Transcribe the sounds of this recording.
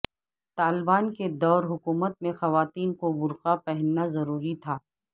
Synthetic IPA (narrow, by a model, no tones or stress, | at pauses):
t̪aːlɪbaːnked̪ɔːɾɦʊkuːmət̪̚mẽxɐʋaːt̪iːnkobʊɾqapɛɦɛnːazɐɾuːɾit̪ʰaː